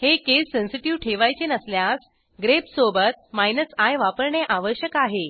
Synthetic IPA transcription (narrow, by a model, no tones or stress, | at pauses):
hekesːẽnsiʈiʋʈʰeʋajt͡ɕenəsljas | ɡɾepsobət̪̚majnəsajʋapəɾɳeʔaʋəɕjəkaɦe